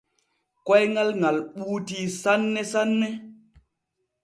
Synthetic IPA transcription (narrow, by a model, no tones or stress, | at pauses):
kojŋalŋalɓuːtisanːesanːe